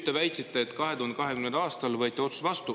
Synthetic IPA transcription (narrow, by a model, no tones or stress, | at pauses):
t̪ːˑevæjt̪sit̪ːˑeːt̪kɑɦet̪uhond̪ekɑɦe̞kymnend̪ɑːst̪ɑlvɤːt̪ːˑio̞t̪su̥t̪vɑst̪u